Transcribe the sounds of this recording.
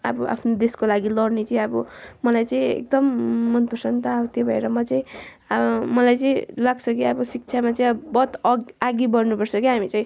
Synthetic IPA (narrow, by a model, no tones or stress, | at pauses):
abʌʔa̰pʰnod̪eskolaɡilʌrnet͡saĩʌbʌmʌlajt͡sʌĩḛk̚d̪ʌmːʌnt̪bʱusʌnt̪ʌat̪jobʱʌḛɾʌmʌt͡saĩ | mʌlajt͡sʌĩlaɡt͡sʰʌkiʌbʌsik̚t͡sʰamat͡saĩbʌt̪aɡibʌrnupʌrt͡sʰʌkiɦamit͡saĩ